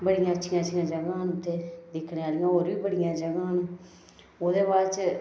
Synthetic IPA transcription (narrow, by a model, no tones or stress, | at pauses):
bəɽɪjãːətːʃʰɪjãːt͡ʃʰʃʰijãːd͡ʒəɡãːɦənũt̪eːd̪ɪkʰɽeːaːɾijãːoːɾʋiːbəɽɪjãːd͡ʒəɡãːɦnũː | oːd̪eːbaːt͡ʃ